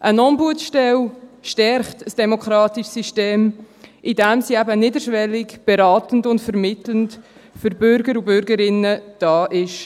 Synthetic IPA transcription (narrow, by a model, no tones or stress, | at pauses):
ʔənɔnbuətʃtɛlʃtɛɾχtəsd̥ɛmokχɾɑːtiʃsiʃteːm | ʔidɛmsiɛbənidəɾʃʋɛlikb̥eɾɑːtən̩dʊntfəɾmɪtlənt | fʏɾbʏɾɡəɾʊbʏɾɡəɾɪnəd̥ɑːʔɪʃ